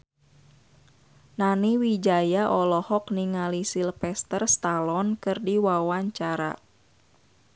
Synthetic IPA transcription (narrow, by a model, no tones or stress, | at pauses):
naniwid͡ʒajaʔɔlɔhɔkniŋalisilpɛst̪ərst̪alɔnkɨrdiwawaɲt͡ʃaɾa̰